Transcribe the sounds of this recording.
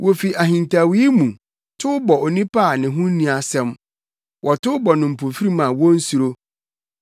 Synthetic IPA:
wʔo˨fi˨ʔa˨ɦĩ˨ntʰa˨wi˦mũ˨ | tʰʊ˦bɔ˨o˨nĩ˦pʰa˦˨nɪ̃˨ɦʊ̃˦n˦nĩ˨a˨sɛ̃˦m | wʔɔ˨tʊ˦bɔ˨nʊ̃˨m̩˨pʰo˨fi˦ɾi˦mã˨wɔ̃˦n̩˦su˨ɾo˦

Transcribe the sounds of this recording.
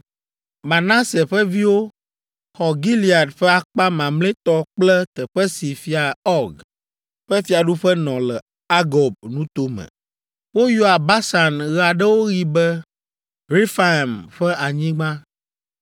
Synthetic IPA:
mã˨nã˦se˨ɸɛ˦vi˦wo˦ | xɔ˨ɡi˦li˨a˨ɖɸɛ˦a˨k͡pa˦mã˨mlẽ˦t̪ɔ˦k͡plɛ˦t̪ɛ˨ɸɛ˦si˨fi˦a˨ɔ˦ɡ | ɸɛ˦fi˨a˨ɖu˦ɸɛ˦nɔ̃˨lɛ˨ | a˦ɡɔ˨b̚nũ˦t̪o˦mɛ̰̃˨ | wo˦jo˦a˨ba˦sa˨nɣɛ˦a˨ɖɛ˦wo˦ɣi˦bɛ˦ | ɾi˦fa˨e˨mɸɛ˦ʔa˨ɲĩ˦ɡ͡bã˦

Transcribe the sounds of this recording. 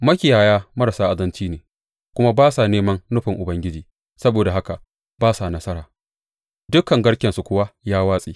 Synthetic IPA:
mɐ˦kʲɪ˨jaː˨jaː˦mɐ˦ɾa˨saː˦ʔa˨dɐ˦nt͡ʃiː˦neː˨ | kʷʊ˦ma˦baː˦sa˨neː˦mɐ˦nnʊ˦ɸɪ˨ŋʔʊ˨bɐ˦ŋɡʲɪ˦d͡ʒiː˨ | sɐ˦boː˨da˨ɦa˦ka˨ | baː˦sa˨nɐ˦sɐ˦ɾaː˨ | dʊ˦kɐ˨ŋɡɐ˦ɽkʲɛ˨nsu˨kʷʊ˦wa˦jaː˦waː˦sʼiː˦

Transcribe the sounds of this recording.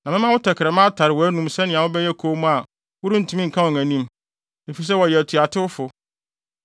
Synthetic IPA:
nã˨mɪ̃˦mã˦wʊ˦tʰɛ˨kʰɪ˨ɾɛ˨mã˦tʰa˨ɾɪ˨wɔ˨æ˦nũ˦msɛ˦nɪ̃˨ã˨wʊ̃˦bɛ˦jɛ˦kʰo˦mũ˦a˨ | wʊ˦ɾĩ˦n̩˨tʰũ˦mĩ˦ŋ̩˨kʰã˦wɔ̃˨ŋæ̃˨nĩ˦m | e˨fi˨s̬ɛ˦wɔ˨jɛ˨æ˨tʰu˨a˨tʰɪ˦wʊ˦fʊ˨

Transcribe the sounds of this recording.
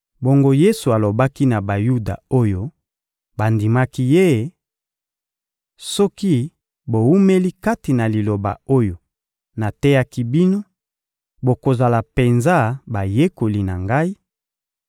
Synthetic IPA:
bo˦ŋɡo˦je˦su˨a˨lo˨ba˦ki˦na˨ba˨ju˦da̰˨o˦jo˦ | ba˨ndi˨ma˦ki˦je˦˨ | sɔ˦ki˦ | bo˨wu˦me˦li˦ka˦ti˨na˨li˨lo˨ba̰˨o˦jo˨ | na˨tɛ˦ja˦ki˦bi˦no˦ | bo˨ko˨za˨la˨pe˨nza˦ba˨je˦ko˨li˨na̰˨ŋɡa˦i˦

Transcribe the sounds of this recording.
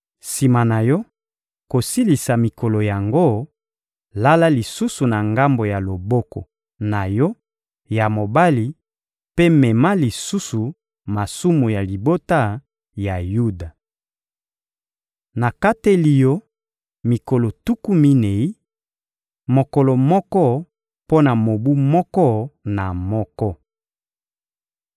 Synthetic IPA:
si˨ma˨na˨jɔ˦ | ko˨si˦li˨sa˨mi˨ko˨lo˨ja˨ŋɡo˦˨ | la˦la˦li˨su˦su˨na˨ŋɡa˦mbo˨ja˨lo˨bɔ˦kɔ̰˨ | na˨jɔ˦ | ja˨mo˨ba˦li˨ | pe˦mɛ˨ma˦li˨su˦su˨ | ma˨su˦mu˨ja˨li˨bo˦ta˦ | ja˨ju˦da˨ | na˨ka˦te˦li˨jɔ˦ | mi˨ko˨lɔ˨tu˦ku˦mi˦ne˨i˦ | mo˨ko˨lɔ˨mɔ˦kɔ˦ | po˦na˨mo˨bu˦mɔ˦kɔ˦na˨mɔ˦kɔ˦

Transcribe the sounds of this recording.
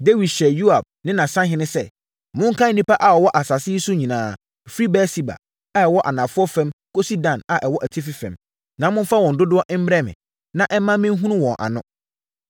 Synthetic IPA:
de˦wi˨dɕɛ˨ju˦a˨b̚nɪ̃˦nã˨sã˦ɦɪ̃˦nʊ̃˦sɛ˦ | mʊ̃˦ŋ̩˦kʰã˦n̩˦nĩ˦pa˦ʔa˨ɔ˨wɔ˦ʔa˨sa˨sɪ˦i˦su˦ɲĩ˨nãː˨˦˨ | fi˦ɾi˦bɛː˦si˦˨ba̰˨ | a˦ɛ˨wɔ˦ʔa˨nã˨fʊ˦ɔ˦fɛ̃˦mkʰo˦si˦dã˨na˨ʔɛ˨wɔ˦ʔæ˨tʰi˦fɪ˦fɛ̰̃˨m | nã˨˦mʊ̃˦n˦fa˦wɔ̃˨n̩˨dʊ˦dʊ˦ɔ˦ʔm̩˦m˦ɾɛ˦mɪ̰̃˨ | nã˦ʔɛ˦mːã˦mɪ̃˦ɦũ˦nʊ̃˦wɔ̃˨ʔa̰˨nʊ̃˦

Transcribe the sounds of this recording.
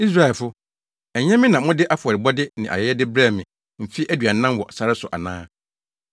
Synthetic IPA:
i˦s̬ɾa˦ɛ˨lfʊ˦ | ɛ˨ɲɛ̃˦mɪ̃˦nã˨˦mʊ̃˦dɪ˦ʔa˦fʊ˨ɔ˨ɾɪ˨bɔ˦dɪ˦nɪ̃˨ʔa̰˨jɛ˦jɛ˦dɪ˦bɾa˦˨mɪ̃˨ | m̩˨fi˦ʔæ˦dɥa˨˦nã˦mwɔ˨sa˨ɾɪ˦sʊ˨ʔa̰˨nã̰ː˦

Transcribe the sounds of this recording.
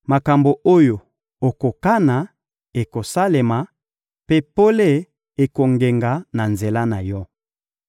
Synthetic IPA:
ma˨ka˨mbo˨o˦jo˨ | o˨ko˨ka˦na˨ | e˨ko˨sa˦le˨ma˨ | pe˦po˦le˦ | e˨ko˨ŋɡe˨ŋɡa˨na˨nze˨la˦na˨jɔ˦

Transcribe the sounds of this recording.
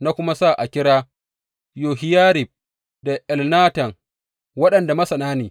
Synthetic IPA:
na˦kʷʊ˦ma˦sa˦˨ʔa˨kʲɪ˦ɽaː˦ | joː˨ɦɪ˦jaː˦ɾɪ˨b̚ | da˨ʔɛ˨lnaː˦tɐ˨ŋ | wɐ˦ɗɐ˨nda˨mɐ˦sɐ˨naː˦neː˨

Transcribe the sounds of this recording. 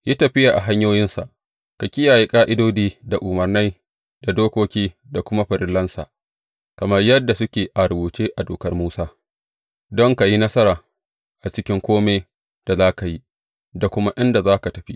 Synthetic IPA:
ja˦tɐ˨ɸɪ˦ja˨ʔa˨ɦa˦ɲjoː˦jɪ˦nsa̰˨ʔ | ka˨kʲɪ˦jaː˨ji˦kʼaː˦ʔɪ˦doː˦diː˦da˨ʔʊ˨mɐ˨rna˦j | da˨doː˦kʷoː˦kʲiː˦ | da˨kʷʊ˦ma˦ɸɐ˨ɾɪ˦lːɐ˦nsa̰˨ | kɐ˨mɐ˦rjɐ˦dːa˨sʊ˦kʲeː˨ʔa˨ɾʊ˨buː˨t͡ʃeː˦ʔa˨doː˨kɐ˦rmuː˦saː˦ | dɔ˦ŋka˨ji˦nɐ˦sɐ˦ɾaː˨ | ʔa˨t͡ʃɪ˦kʲɪ˦ŋkʷoː˦meː˦ | d̥a˨zaː˦ka˨ji˦ | da˨kʷʊ˦ma˦ʔɪ˦nda˨zaː˦ka˨tɐ˨ɸi˦ʔ

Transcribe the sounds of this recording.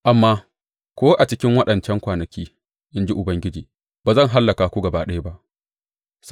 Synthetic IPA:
ʔa˨mːaː˦ | kʷoː˦ʔa˨t͡ʃɪ˦kʲɪ˦ŋwɐ˦ɗɐ˨nt͡ʃɛ˦ŋkʷaː˨nɐ˨kʲiː˦ | ʔɪ˦nd͡ʒi˦ʔʊ˨bɐ˦ŋɡʲɪ˦d͡ʒiː˨ | b̥aː˨zɐ˦˨ŋɦa˦lːɐ˨kaː˨kʷu˦ɡɐ˨baː˦ɗɐ˦ja˦ba˦ʔ | s

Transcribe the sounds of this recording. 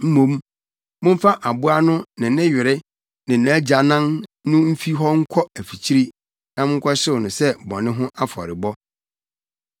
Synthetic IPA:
m̩˦mõ˦m | mʊ̃˦m˦fa˦ʔa˨bʊ˦a˦nʊ̃˦nɪ̃˨nɪ̃˦ɥɪ˨ɾɪ˦ | nɪ̃˨nʊ̃˨æ˦d͡ʑa˨nã˦nnʊ̃˦m̩˦fi˦ɦɔ˦ŋ̩˦kʷʰɔ˦æ˨fi˨t͡ɕʰi˦ɾi˦ | nã˦m˦ŋ̩˦kʷʰɔ˦ɕɪ˦wnʊ̃˨sɛ˦bɔ̰̃˨nɪ̃˦ɦʊ̃˦ʔa˦fɔ̰˨ɾɪ˨bɔ˦

